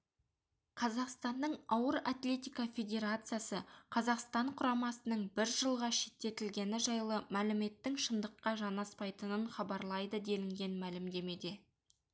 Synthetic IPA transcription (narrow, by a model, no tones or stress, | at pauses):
qʰɑzɑqst̪ɑnd̪əɴɑwəɾa̰t̪lʲe̞t̪ʲijkɑfʲe̞d̪ʲe̞ɾat̪sɨjasəqʰɑzɑqst̪ɑɴqʰʊɾɑmɑsənəɴbɪɾʒəlˠʁɑʃe̞t̪ːe̞t̪ɪlɡʲe̞nɪʒɑjlˠəmælɪme̞t̪ːɪŋʃənd̪əqːɑʒɑnɑspɑjt̪ənəɴχɑbɑɾlˠɑjd̪əd̪e̞lɪŋɡʲe̞nmælɪmd̪e̞me̞d̪e̞